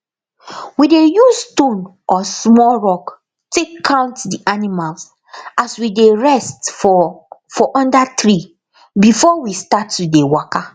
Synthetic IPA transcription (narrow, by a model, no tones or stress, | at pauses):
widejuzstõn | ʔɔsmɔlɹɔk | tekʰːãʊ̃ntdiʔanimalz | aswideɹɛstffɔʔɔ̃ndatɹi | bifɔwistatːudewɔka